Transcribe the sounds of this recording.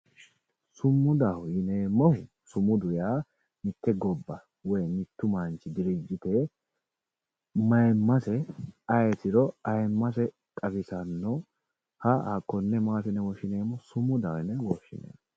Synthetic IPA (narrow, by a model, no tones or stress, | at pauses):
sʊmːʊd̪ɐhʊjɪneːmːɔ | sʊmʊd̪ʊjaː | mɪt̪ːɛɡɔbːɐ | wɔjmɪt̪ːʊmant͡ʃːɪd̪ɪɾɪd͡ʒːɪt̪e | mɐjmːɐsɛɐjɛt̪ɪɾɔɐjmːɐsɛ | kʼɐbɪsɐnːɔ | hɐɐkːɔnːɛmaːt̪ɛnɛwɔʃɪneːmːɔsʊmʊd̪ɐwɛnɛwɔʃːɪ̰nḛː